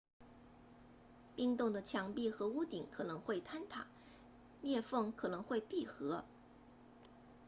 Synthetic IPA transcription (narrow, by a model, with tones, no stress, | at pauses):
pi˥˧ŋt̪ʊ˥˩ŋd̪ə˩t͡ɕʰjɑ˧˥ŋpi˥˩xɤ˧˥u˥t̪i˨˩˦ŋkʰɤ˨˩nɤ˧˥ŋxwe˥˩ɪt̪ʰa˥nt̪ʰa̰˨˩˦ | mjɛ˥˧fɤ˥˩ŋkʰɤ˨˩nɤ˧˥ŋxwe˥˧ɪpi˥˩xɤ˧˥